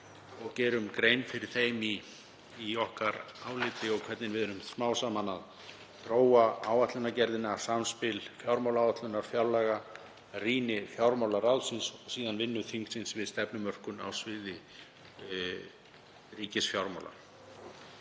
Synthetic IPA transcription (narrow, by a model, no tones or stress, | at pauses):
ɔɣcɛːɾʏmkɾeːjnfɪɾɪɾ̥θeːjmiː | ɔhkaɾaːwlɪːt̪ɪɔɣkʰvɛt̪nɪnvɪðʏnʏmsmaːwsamanað | t̪ɾoːwaaːwat̪lʏnacɛɾðɪnasamspɪlfjawɾmawlaːwat̪lʏnːaɾ̥fjawlɛɣa | riːnɪfjawɾmawlarawðsɪnsɔsiːðanvɪnːʏθʰiŋk̪sɪnsvɪðst̪ɛpnʏmœr̥kʏna̰wsvɪːðɪ | riːcɪsfjawɾma̰wla̰